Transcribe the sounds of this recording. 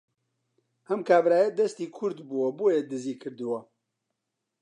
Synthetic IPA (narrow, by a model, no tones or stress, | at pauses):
hɛmkʰaːbɾaːjɛd̪ɛst̪iːkʰʊɾd̪buwɐbujed̪ɨziːkʰɨɾd̪ɨwɐ